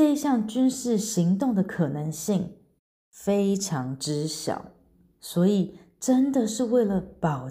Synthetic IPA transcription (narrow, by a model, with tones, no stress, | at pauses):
e˥˧i˦ɕjɑ˥˩ŋt͡ɕy˥nʂɻ̩˥˩ɕi˧˥ŋt̪ʊ˥˩ŋd̪ə˩kʰɤ˨˩nə˧˦ŋɕi˥˩ŋ | fe˥ɪʈ͡ʂʰɑ˧˥ŋʈ͡ʂɻ̩˦˥ɕjɑ̰˨˩˦ʊ | swɔ˧˥i˨˩ | ʈ͡ʂə˦˥nd̪ə˨ʂɻ̩˥˧we˥˩ɪlə˩pɑ˨˩ʊ